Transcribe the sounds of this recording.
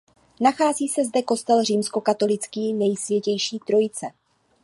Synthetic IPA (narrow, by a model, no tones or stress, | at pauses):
naxaːziːsɛzdɛko̞st̪ɛlriːmsko̞kat̪o̞lɪt͡skiːnɛjsvjɛcɛjʃiːt̪ɾo̞jɪt͡sɛ